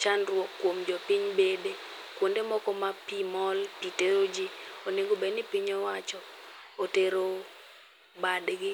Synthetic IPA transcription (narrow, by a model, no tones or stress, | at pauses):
t͡ʃanɾwɔkːwomd͡ʒɔpiɲbede | kwondemɔkɔmapimɔlpiteɾod͡ʒioneŋɡobenɪpiɲɔwat͡ʃɔ | oteɾo | badɡɪ